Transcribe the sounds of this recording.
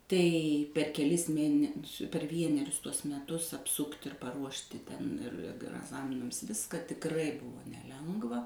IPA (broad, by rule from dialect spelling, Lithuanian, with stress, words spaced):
ˈtɐɪ pʲɛr kʲɛˈlʲɪs ˈmʲeːnʲɛsʲʊ pʲɛr ˈʋʲiɛnʲɛrʲʊs ˈtuɔs mʲɛˈtʊs ɐpˈsʊktʲ ɪr pɐˈruɔʃʲtʲɪ tʲɛn ɪr ɐk ɐɡˈzɑːmʲɪnɐms ˈʋʲɪskɐ tʲɪkˈrɐɪ ˈbʊʋoː nʲɛˈlʲɛŋɡʋɐ